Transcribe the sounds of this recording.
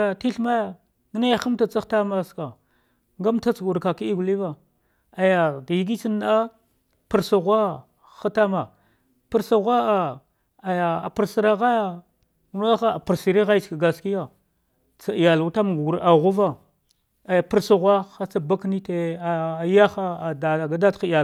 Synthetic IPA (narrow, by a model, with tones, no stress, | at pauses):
a˨ti˦ɬma˦ja˨ | ŋ˦na˦˨xa˦m˦ta˦t͡sa˦xta˦ma˦˨ska˨ | ŋɡa˦mta˦t͡sɡu˨ɾka˨ki˦i˦ɡu˨li˦va˨ | a˨ja˨dji˦ɡi˦t͡ʃi˦n˦a˦ | pə˨ɾsa˨ɣʷa˦ | xa˦ta˦ma˨ | pə˦ɾsa˨ɣʷa˦a˨ | a˨ja˨a̰˨pi˨ɾsi˨ɾa˦ɣa˦ja˦˨ | n˦a˦xa˦a˨pi˨ɾsi˨ɾi˦ɣa˦t͡ʃka˨ɡa˨ski˦ja˨ | t͡sa˨ja˨lu˨ta˦m˨ɡu˨ɾa˨ɣu˦va˦ | a˨ja˨pə˦ɾsa˨ɣʷa˦xa˦t͡sa˦ba˦kni˦te˦a˨ja˦xa˦˨da˨ɡa˦da˦txja˨